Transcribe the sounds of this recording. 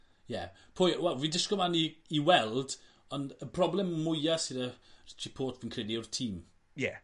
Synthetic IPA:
jɛ | pʰoːjwɛlˠviːndɪskɔmaniːwɛlˠd | ɔnəpʰr̥ɔblɛmːʊjasɪdərɪt͡ʃʰipʰoːtʰviːnkʰr̥ediʊrtʰiːm | jɛ̰

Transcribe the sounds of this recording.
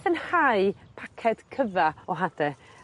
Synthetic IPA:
θənhaɨpʰakʰɛd̥kʰəvaɔɦad̥ɛ

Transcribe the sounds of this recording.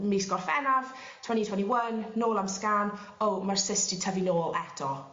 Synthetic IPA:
misɡ̥ɔrfɛnav | tʰwanitʰwaniwənːoːlˠamskan | owmarsɪstitʰəvinoːlˠɛtɔ

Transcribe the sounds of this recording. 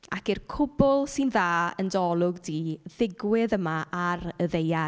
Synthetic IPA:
akirkʰʊbʊlˠsɨnðaːəndɔlˠʊɡdiːðɪɡwɪðəmaʔaɾəðeja

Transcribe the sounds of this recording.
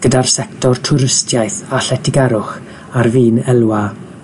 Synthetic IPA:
ɡ̥ədarsɛktɔrtʰʊɾəstʰjajθaɬɛtʰɪɡɛɾʊχ | arviːnɛlˠwa

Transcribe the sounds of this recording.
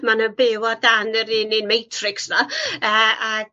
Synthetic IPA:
manəbɪwɔdanəɾiːnɪnmejtʰrɪksnaəa

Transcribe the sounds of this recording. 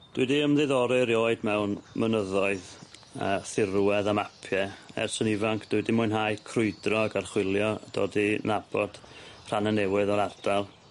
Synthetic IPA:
d̥wɨdiəmðɨðɔɾɨɾjoːɨdmɛwnmənəðɔɨðəːθɪrwɛðamapʰjɛɛ̰rsənivaŋkʰd̥ɪdimʊjnɦajkʰrʊɨdrɔɡarχwɪlˠjɔd̥o̰ːdinabɔd̥r̥ananɛwɨðɔɾard̥alˠ

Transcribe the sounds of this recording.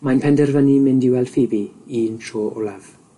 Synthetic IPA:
majnpʰɛndɛrvənimɪndiwɛlˠd̥fiːbiiːntʰroːʔʊ̰lˠav̥

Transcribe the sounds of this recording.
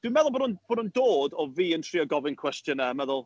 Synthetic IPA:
d̥wimɛðʊlˠbonʊnb̥oːnundoːdɔviːəntʰriɔɡɔvɪnkʰw̥ɛstjənəmɛðʊlˠ

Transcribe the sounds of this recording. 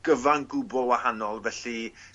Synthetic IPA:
ɡ̥əvanɡʊbɔwahanɔlˠvɛɬi

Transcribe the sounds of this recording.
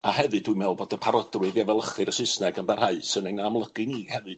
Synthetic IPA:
ahɛvɨdwɨmɛlˠboːdəpʰaɾɔdrwɨðjɛvɛlˠəχɨɾəsɪsnɛɡənbɛr̥haɨsɨnenamlˠəɡ̥ɨniːhɛvɨd

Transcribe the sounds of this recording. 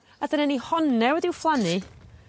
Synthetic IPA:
adənɛnihɔnːɛwɛdɪwflˠani

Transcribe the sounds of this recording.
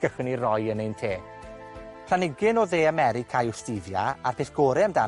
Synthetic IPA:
ɡəχwənirɔjənejntʰeː | pʰl̥anɪɡɪnɔðeːamɛɾɪkʰajʊstɪvja̰arpʰeθɡ̥ɔːɾɛmda

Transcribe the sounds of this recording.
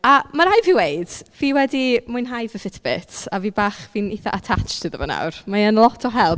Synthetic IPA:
amaɾajviwejd̥viːwɛdimʊɨnɦajvəfɪtʰbɪtʰaviːbaːχviniθa̰ʔatʰat͡ʃtʰɨðə̰vɔ̰na̰wrmaənlˠɔtʰɔɦɛlˠb

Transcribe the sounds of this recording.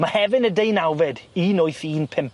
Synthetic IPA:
mahɛvɪnədejnawvɪdiːnojθiːnpʰɪmp

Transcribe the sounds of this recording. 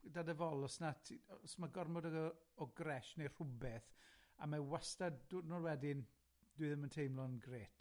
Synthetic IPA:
dadəvɔlˠɔsnatʰsmaɡɔrmɔdəɡɔɔɡrɛʃner̥ʊbɛθamawastadudnɔrwɛdɪn | d̥uɨðəməntʰejmlˠɔnɡreːtʰ

